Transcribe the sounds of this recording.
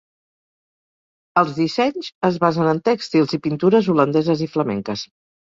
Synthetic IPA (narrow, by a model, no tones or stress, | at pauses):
əlˠzðisɛɲzəzβazənənt̪ɛkst̪ilˠzipint̪uɾəzulənd̪ɛzəzifləmɛ̰ŋkəs